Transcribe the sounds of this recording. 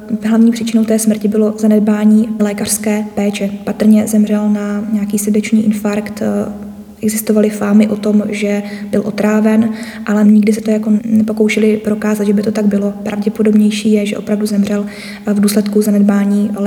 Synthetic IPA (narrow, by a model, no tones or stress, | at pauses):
ɦlavɲiːpr̥it͡ʃɪno̞wt̪ɛːsmr̩cɪbɪlo̞zanɛd̚baːɲiːlɛːkar̥skɛːpɛːt͡ʃɛpat̪r̩ɲɛzɛmrɛlnaɲɛakiːsɛdɛt͡ʃniːʔɪnfaɾkt̪ | ʔɛɡzɪst̪o̞valɪfaːmɪʔo̞t̪o̞mʒɛbɪlʔo̞t̪ɾaːvɛn | ʔalɛɲɪɡdɪs̬ɛt̪ojakonɛpo̞kowʃɛlɪpɾo̞kaːzat̪ʒɛbɪt̪o̞t̪aɡbɪlo̞pɾa̰vɟɛpodo̞bɲɛjʃiːjɛʒɛ̰ʔo̞pɾavduzɛmr̝ɛl | vduːslɛt̪kuzanɛd̪̚baːɲiː